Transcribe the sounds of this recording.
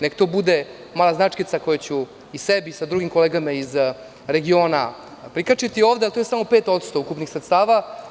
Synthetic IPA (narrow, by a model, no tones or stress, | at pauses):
nekt̪oːbud̪e | maːlaznat͡ʂkit̪sako̞jat͡ɕu | isebisad̪ɾuɡimkoleːɡamaiz | ɾe̞ɡio̞ːna | pɾikat͡ʃit̪io̞ːʋd̪ealt̪ojsamo̞pe̞ːt̪o̞t̪st̪oukupnixsɾet̪st̪aːʋa